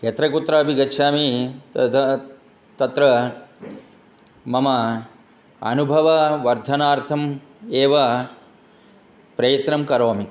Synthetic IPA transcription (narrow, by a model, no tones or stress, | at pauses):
ɐt̪ɾɐkut̪ɾaɐbʱiɡɐtːʃʰaːmitɐt̪ʰɐ | t̪ɐt̪ɾɐ | mɐmɐ | ɐ̰nubʱɐʋɐʋɐɾd̪ʱɐnaːɾt̪ʰɐmeːʋɐ | pɾɐjɐt̪ɾɐmkɐɾoːmi